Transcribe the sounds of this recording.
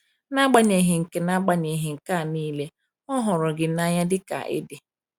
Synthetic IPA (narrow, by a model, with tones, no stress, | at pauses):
na˦ɡ͡ba˨ɲe˨ɦɪ˨ŋ̩˨ke˨na˦ɡ͡ba˨ɲe˨ɦɪ˨ŋ̩˨ka˦˨niː˦le˦ | ɔ˦ɦʊ˨ɾʊ˨ɡɪ˨na˦ɲa˦dɪ˦ka̰˨ʔɪ̰˦dɪ˨